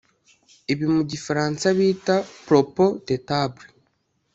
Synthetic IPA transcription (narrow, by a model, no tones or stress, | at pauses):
iβimuɟifaɾaːnsaβiːtapɾopodetabɾe